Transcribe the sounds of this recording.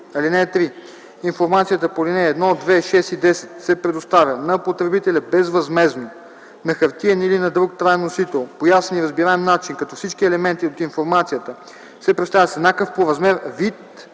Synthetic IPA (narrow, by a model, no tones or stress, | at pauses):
ɐlinɛːt̪ɾi | infoɾmat̪sijət̪əpolinɛːd̪nɔod̪vɛʃɛst̪id̪ɛsɛ̥t̪sɛpɾɛd̪ost̪avʲənɐpot̪ɾɛbit̪ɛlʲɐbɛzvɐzmɛzno | nɐxɐɾt̪iɛnilinɐd̪ɾukt̪ɾajnosit̪ɛlˠpojasɛniɾɐzbiɾaɛmnat͡ʃinkɐt̪ɔfsit͡ʃkiɛlɛmɛnt̪iot̪infoɾmat̪sijət̪ə | sɛpɾɛt̪st̪avʲəsɛnakəfpoɾɐzmɛɾvit̪